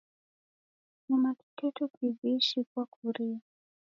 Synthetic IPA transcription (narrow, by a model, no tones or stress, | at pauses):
namaki̥tʰɛtɔkiviʃikwakuɾia